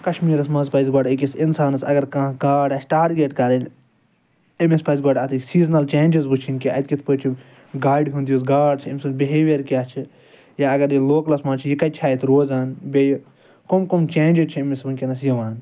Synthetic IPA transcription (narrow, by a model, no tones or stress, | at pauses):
kɐʃmiːɾɐsmɐ̃nzpɐjzɡoːɖikʲisinsaːnɐsɐ̰ɡɐɾkɐ̃ːkaːɖɐːsʈaːɾɡeːʈkɐɾɐnʲ | emespɐːzɡɔːɖat̪ʰɨsiːznɐlt͡ʃeːnd͡ʒɐzbut͡ʃʰinkʲiɐ̰t̪kʲit̪ʰpəːt͡ʃʰu | ɡaːjɖɦund̪ioːs̬ɡaːɖt͡ʃʰimsubeɦeːʋeɾkʲjaːt͡ʃʰi | jaːɐɡɐɾjiloːklɐsmaːnt͡ʃʰijikɐt͡ʃʰaːjit̪ʰɾoːzaːnbʲej | komkomt͡ʃeːnd͡ʒit͡ʃʰiemesbɐnʲkʲinɐsjɐʋaːn